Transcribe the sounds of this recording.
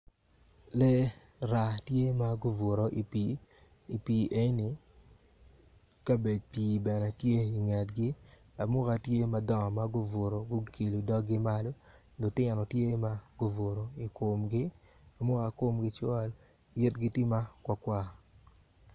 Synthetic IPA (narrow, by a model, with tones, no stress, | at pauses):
lɛ˦ | ɾa˨tje˦ma˦ɡo˦vo˨ɾo˨ʔi˨pi˨ | i˨piː˨ʔe˦nɪ˨ | ka˦be˨d̚piː˨bɛ˨nɛ˨tje˦i˨ŋa˨tɡɪ˦ | a˨mʊ˦ka˨tje˦ma˦dɔ˦ŋ˨ma˦ɡʊ˦vo˨ɾo˨ɡʊ˦ke˨lo˨dɔ˦ɡɪ˦ma˦lo˦ | lʊ˨tɪ˦˨nɔ˨tje˦ma˦ɡ̥ʊ˦vo˨ɾo˨i˨ko˨mɡɪ˦ | a˨mʊ˦ka˨ko˦mɡɪ˦t͡ʃɔ˦l | jɪ˦tɡɪ˦tɪ˦ma˦kwa˨kwa˦